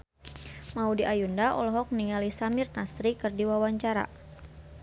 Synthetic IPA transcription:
maudiʔajundaʔɔ̰lɔɦɔk̚niŋalisamɪrnasɾikɨrdiwawaɲt͡ʃaɾa̰

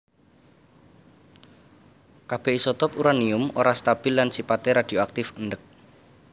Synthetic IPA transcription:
kab̥e̤hisɔt̪ɔpuɾaniʊmo̰ɾast̪ab̥ɪ̤lːansipat̪eɾad̪̥i̤oak̚t̪ɪfəndək̚

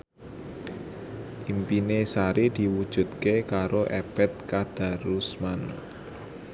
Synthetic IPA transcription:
ʔimpinesaɾid̪̥i̤wud̥ʒ̥ṳt̪̚kekaɾoʔɛbɛt̪̚kad̥a̤ɾusman

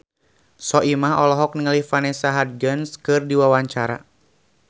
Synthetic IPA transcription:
sɔʔimaɦɔlɔɦɔk̚niŋəlihfanɛsaɦad̪̚ɡənskɨrdiwawaɲt͡ʃaɾa̰

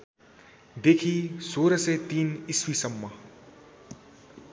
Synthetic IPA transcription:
d̪ekʰisoɾʌsʌjt̪iniswisʌmːʌ

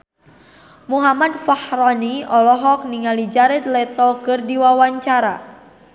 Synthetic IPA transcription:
muɦamad̪fahrɔniɔlɔɦɔk̚niŋalid͡ʒaɾɛt̪̚lɛt̪ɔkərdiwawaɲt͡ʃaɾa

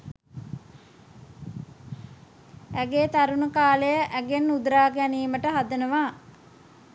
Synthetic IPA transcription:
æɡeːt̪aɾunəkaːləjəʔæɡenːud̪ɾaːɡæniːməʈəɦad̪ənəʋaː

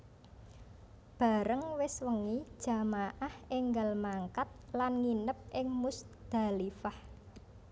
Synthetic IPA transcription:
b̥a̤ɾəŋwɪswəŋid̥ʒ̥a̤maʔaheŋɡalmaŋkat̪̚lanŋinəp̚ʔɪŋmus | d̪̥a̤lifah

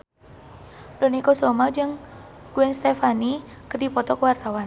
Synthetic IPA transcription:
donikɔsɔmad͡ʒɨŋ | ɡ̥uɛnst̪ɛfanikərdipɔt̪ɔkəwart̪awan

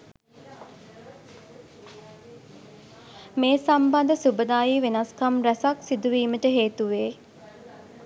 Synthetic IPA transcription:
meːsamband̪əsubəd̪aːjiːʋenaskamɾæsaksid̪uʋiːməʈəɦeːt̪uʋeː

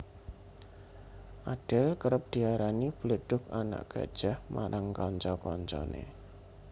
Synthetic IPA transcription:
ʔad̥əlkəɾəp̚d̪̥i̤aɾanib̥ələɖ̥ʊ̤kana̰ʔɡ̥a̰d̥ʒ̥ahma̰ɾʔaŋkɔɲt͡ʃɔkɔɲt͡ʃɔ̰nḛ

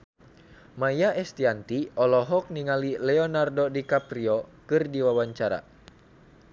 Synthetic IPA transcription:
majaʔɛst̪iant̪iɔlɔɦɔk̚niŋalilɛɔnardodikapɾiɔkɨrdiwawaɲt͡ʃaɾa̰

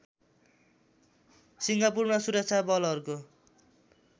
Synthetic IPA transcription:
siŋɡapurmasuɾʌk̚t͡sʰabʌlʌɾuko

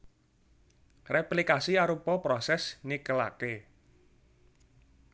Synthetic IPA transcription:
rɛplikasiaɾupɔpɾɔsɛsnikəla̰ke

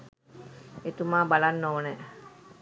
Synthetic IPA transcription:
et̪umaːbalanːoʋəne

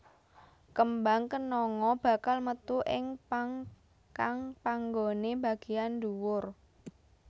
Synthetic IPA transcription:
kəmbaŋkənɔŋɔb̥ä̤kalmət̪uʔɪŋpaŋ | kaŋpaŋɡoneba̤ɡ̥e̤jand̪uwʊr

